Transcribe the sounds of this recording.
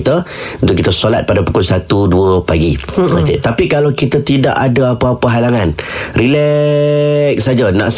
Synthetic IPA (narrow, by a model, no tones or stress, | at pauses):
t̪əunt̪ʊʔkːit̪əsolat̪̚padapu̥kʊlsat̪uduəpaɡit̪et̪apikalakit̪ət̪ida̰ʔadəapaːpəɦalaŋãnrilɛ | k̚sad͡ʒana̰ʔs